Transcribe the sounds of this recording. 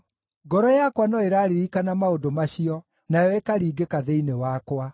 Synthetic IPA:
ɡɔɾɔjakwanɔeɾaːɾeɾikanamaodomaɕiɔ | najɔekaɾiːɡekaðeinewakwa

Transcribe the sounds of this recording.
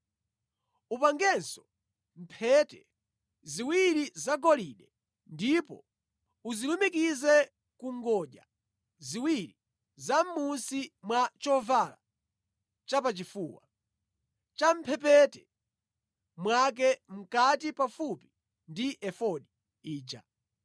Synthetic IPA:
upaŋɡɛnsɔ̥ | m̩pʰɛtɛ | ziwiɾizaɡɔliɗɛ | ndipɔ̰ | uzilumikizɛ | kuŋɡɔʄa | ziwiɾi | zam̩munsimwat͡ʃɔvala̰ | t͡ʃapat͡ʃifuːwa̰ | t͡ʃam̩pʰɛp̬ɛtɛ | mwak̬ɛm̩katipafupi̥ | ndiʔɛfɔɗi | iːd͡ʒa̰

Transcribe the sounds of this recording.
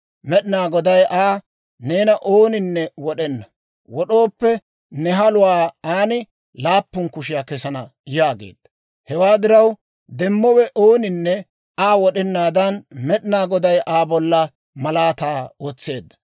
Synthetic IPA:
mɛɗɪnaːɡɔd̪ɐjʔaː | neːnɐʔoːnɪnːɛwɔɗɛnːɐ | wɔɗo̞ːpːɛ | nɛɦɐlʊwaːaːnɪ | laːpːʊnkʊʃ̬ɪjaːkɛsɐnɐ | jaːɡḛːd̪ːɐ̥ | hɛwaːd̪ɪɾɐw | d̪ɛmːɔwɛʔoːnɪnːɛ | aːwɔɗɛnːaːd̪ɐnmɛɗɪnaːɡɔd̪ɐjʔaːbɔlːɐ | mɐlaːt̪aːɔt͡sːe̞ːd̪ːɐ̥

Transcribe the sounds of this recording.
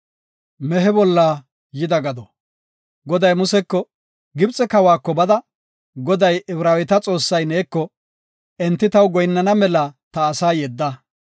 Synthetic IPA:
mɛɦɛbɔlːaː | jɪd̪ɐɡɐd̪ɔ | ɡɔd̪ɐjmʊsɛkːɔ | ɡɪbt͡sʼɛkɐwaːkːɔbɐd̪ɐ | ɡɔd̪ɐjʔɛbɾaːwɪt̪ɐt͡sʼo̞ːsːɐjneːkːɔ | ʔɛnt̪ːɪt̪ɐwɡɔjnːɐnɐmɛlɐt̪ɐːsaːjɛd̪ːɐ

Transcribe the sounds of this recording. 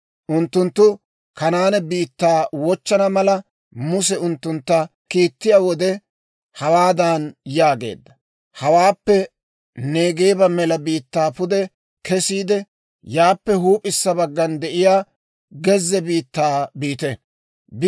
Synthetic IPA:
ʔʊnt̪ːʊnt̪ːʊ | kɐnaːnɛbiːt̪ːaːwɔt͡ʃːɐnɐmɐlɐ | mʊs̬ɛʊnt̪ːʊnt̪ːɐ | kiːt̪ːɪjawɔd̪ɛ | hɐwaːd̪anjaːɡe̞̰ːd̪ːɐ | hɐwaːpːɛ | ne̞ːɡeːbɐmɛlɐbiːt̪ːaːpʊd̪ɛ | kɛsiːd̪ɛ | jaːpːɛɦuːpʼɪsːɐbɐɡːɐnd̪ɛʔɪjaː | ɡɛzːɛbiːt̪ːaːbiːt̪ɛ | b

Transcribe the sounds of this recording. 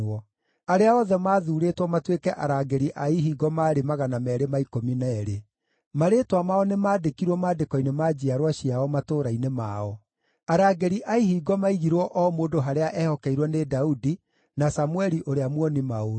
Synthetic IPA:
ɔ | aɾeaɔðɛmaːðuːɾetwɔmatwekɛʔa̰ɾaɡɛɾiʔaiɦiːɡɔmaːɾemaɣanamɛːɾemaikominɛːɾe | maɾeːtwamaɔnemaːdekiɾwɔmaːdekɔinemaːd͡ʑiaɾwaɕiaɔmatoːɾainemaɔ | aɾaːɡɛɾiʔaihiːɡɔmaiɣiɾwɔʔɔmoːndoɦaɾeaʔɛhɔkɛiɾwɔnedaudi | nasamuɛɾiʔoɾeamwɔnimao

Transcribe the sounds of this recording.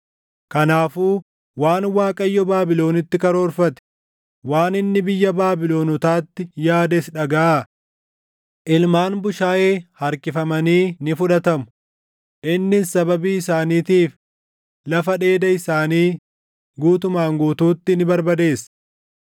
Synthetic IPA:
kɐnaːfuː | waːnwaːkʼɐjːɔbaːbɪlo̞ːnɪt̪ːɪkɐɾo̞ːɾfɐt̪ɛ̥ | waːnɪnːɪbɪjːɐbaːbɪlo̞ːnɔt̪aːt̪ːɪjaːd̪ɛsᶑɐɡaaː | ʔɪlmaːnbʊʃaːʔe̞ːhɐɾkɪfɐmɐniːnɪfʊᶑɐt̪ɐmʊ | ʔɪnːɪsɐbɐbiːɪsaːniːt̪iːf | lɐfɐᶑe̞ːd̪ɐɪsaːniː | ɡuːt̪ʊmaːŋɡuːt̪uːt̪ːɪnɪbɐɾbɐd̪e̞ːs

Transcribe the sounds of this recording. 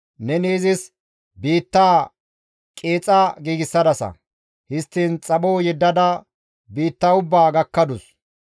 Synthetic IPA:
nɛniːzɪs | biːt̪ːaː | kʼeːt͡sʼːaːɡiːɡɪsːɐd̪ɐsɐ̰ | hɪst̪ːiːnt͡sʼɐɓoːjɛd̪ːɐd̪ɐ | biːt̪ːaʊbːaːɡɐkːɐd̪ʊs

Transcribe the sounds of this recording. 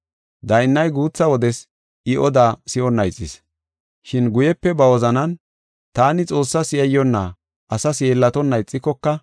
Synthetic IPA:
d̪ɐjnːɐjɡuːt͡sːɐwɔd̪ɛs | ʔɪʔɔd̪aːsɪɔnːɐjt͡sʼːɪs | ʃɪnɡʊjɛpːɛbɐwɔzɐnɐn | t̪aːnɪt͡sʼo̞ːsːɐsɪjɐjːɔnːaː | ʔɐsɐsjeːlːɐt̪ɔnːɐjt͡sʼːɪkːɔkːɐ

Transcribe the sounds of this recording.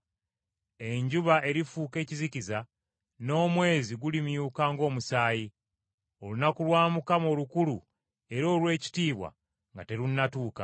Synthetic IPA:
e̞ɲɟuβaʔe̞ɾifuːke̞ːciziciza | no̞ːmwe̞ːziɡulimjuːkaːŋɡo̞ːmusaːji | o̞lunakulwaːmukamo̞ːlukulu | e̞ɾo̞ːlwe̞ːci̥tiːβwa̰ | ŋɡate̞ɾunːatuːka̰

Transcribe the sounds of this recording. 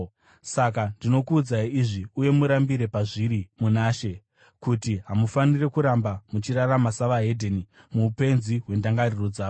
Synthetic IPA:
sak̬andino̞kuːd͡zaiiʐiuje̞muɾambiɾe̞paʐiɾimunaːʃe̞ | kutiɦamufanire̞kuɾambamut͡ʃiraramasaʋaɦe̞dʱeni | muːpe̞nziɦwe̞ndaŋɡariro̞d͡zaːʋo

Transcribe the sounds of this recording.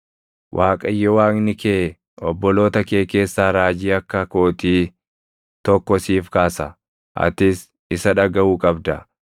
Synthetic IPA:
wʔaːkʼɐjːɔwaːknɪkeː | ɔbːɔlo̞ːt̪ɐke̞ːke̞ːsːaːɾaːd͡ʒiːɐkːɐko̞ːt̪iː | t̪ɔkːɔsiːfkaːsɐ | ʔɐ̰t̪ɪs | ɪsɐᶑɐɡɐʔuːkʼɐbd̪ɐ

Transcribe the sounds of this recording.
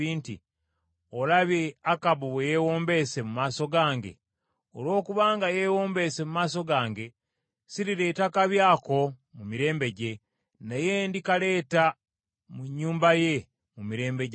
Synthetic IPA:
iːntḭ | olaβeakaβuβwejewoːmbe̞se̞mumaːso̞ɡaːŋɟe̞̰ | olwo̞ːkuβaːŋɡajeːwo̞ːmbe̞se̞mumaːso̞ɡaːŋɡe̞ | siɾiɾe̞ːtakaβjaːko̞mumiɾe̞ːmbe̞ɟe̞ | nejendikale̞ːta | muɲːuːmbaje̞ | mumiɾe̞ːmbeɟ

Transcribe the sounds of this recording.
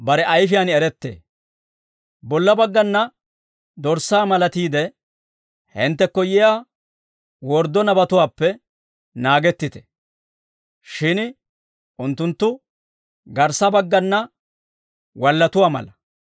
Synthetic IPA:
bɐɾɛʔɐjfɪjanɪɛɾɛt̪ːḛː | bɔlːɐbɐɡːɐnːɐ | d̪ɔɾsaːmɐlɐt̪iːd̪ɛ | hɛnt̪ːɛkːɔjɪjaː | wɔɾd̪ɔnɐbɐt̪ʊwaːpːɛ | naːɡɛt̪ːɪt̪ɛ̥ | ʃɪn | ʔʊnt̪ːʊnt̪ːʊ | ɡɐɾsɐbɐɡːɐnːɐ | wɐlːɐt̪ʊwaːmɐ̰lɐ

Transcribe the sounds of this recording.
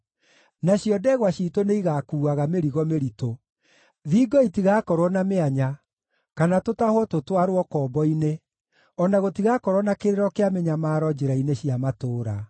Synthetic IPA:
naɕjɔdɛɣwaɕiːtoneiɣakuːaɣameɾiɣɔmeɾito | ðiːɡɔitiɣaːkɔɾwɔnameaɲa | kanatotahwɔtotwaɾwɔkɔːbɔine | ɔnaɣotiɣakɔɾwɔnakeɾeɾɔkeameɲamaːɾɔd͡ʒeɾaineɕiamatoːɾa

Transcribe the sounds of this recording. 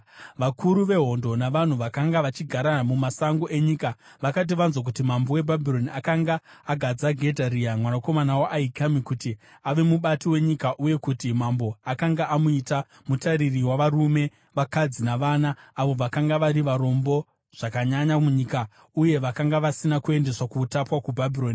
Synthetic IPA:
ʋakʰuɾuʋe̞ɦo̞ndo̞naʋan̤uʋakaŋɡaʋat͡ʃiɡʱaɾamumasaŋɡoʔe̞ɲika | ʋakat̬iʋanzok̬utimambo̞we̞bʱabʱiɾo̞niakaŋɡaː | ɡʱad͡zaɡʱe̞dʱariamwanako̞manawoʔaikamikuti | aʋe̞muɓatiwe̞ɲikaʔuje̞kutimambo̞akaŋɡaʔamuita | mutaɾiriwaʋaɾume̞ | ʋakad͡zinaʋaːnaːʋo̞ʋakaŋɡaʋaɾiʋaɾo̞mbo̞ | ʐ̥akaɲaɲamuɲika | uje̞ʋakaŋɡaʋasinakue̞nde̞swakutapwakubʱabʱiroːni

